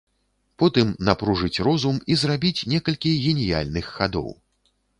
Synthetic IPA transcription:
pɔt̪ɨmnapɾuʐɨt͡sʲrɔzumizrabʲit͡sʲnʲɛkɐlʲkʲiɣʲɛnʲija̰lʲnɨxːad̪ɔ̰w

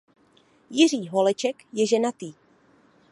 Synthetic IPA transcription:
jɪr̝iːɦolɛt͡ʃɛkjɛʒɛnat̪iː

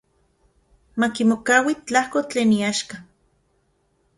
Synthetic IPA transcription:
makimokawit͡ɬahkot͡ɬeːniaʃka

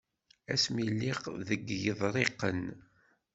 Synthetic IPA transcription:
æ̰smilːiqðəɡːjəðˤɾˤeqːən

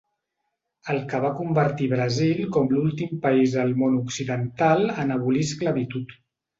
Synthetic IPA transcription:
əlˠkəβ̞akumbəɾt̪iβɾəzilkɔmlulˠt̪impəizðəlˠmonuksiðənt̪alˠənəβuliskləβit̪ut̪

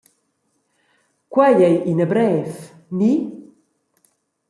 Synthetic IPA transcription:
kwajɛjʔinəbɾɛːθ | ni

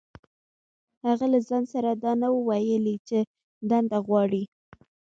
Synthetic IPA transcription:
haɣalazɑnsaɾad̪ɑnawəwajəlit͡ʃe | d̪and̪aɣwɑɽi

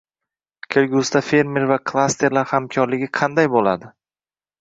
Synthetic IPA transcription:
kʲʰelɡʲʊst̪afe̞ɾmeɾvakʰlˠast̪ʰe̞ɾlaɾhamkʲʰɒɾlɪɡʲɪqʰɑnd̪ajbola̰d̪ɪ

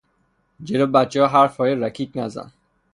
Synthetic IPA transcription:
d͡ʒelobæt̪̚t͡ʃʰehɒːɦæɾfɒːjeɾækʰiːd̪næzæ̰n

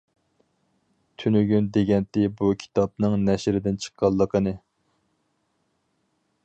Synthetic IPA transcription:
t̪ʰynyɡʲynd̪eɡʲɛnt̪ɪbukʲʰi̥t̪ʰɑp̚nɨŋnɛʃɾɪd̪ɪnt͡ʃʰə̥qʰːɑlˠːəqʰənɨ

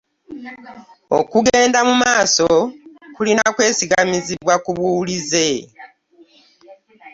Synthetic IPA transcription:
o̞̰kuɡe̞ːndamumaːsokulinakwe̞ːsiɡamiziβwakuβulize̞

